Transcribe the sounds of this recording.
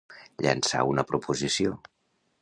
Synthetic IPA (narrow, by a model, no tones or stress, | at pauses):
ʎə̰nsa̰unəpɾupuzisio